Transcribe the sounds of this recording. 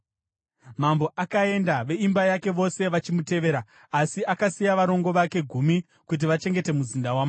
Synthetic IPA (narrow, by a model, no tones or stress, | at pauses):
mambo̞ʔakae̞ndaʋe̞imbajake̞ʋo̞se̞ʋat͡ʃimute̞ʋe̞ːɾaː | siakasijaʋaɾo̞ŋɡo̞ʋake̞ɡʱumi | kut̬iʋat͡ʃe̞ŋɡe̞te̞muzindawama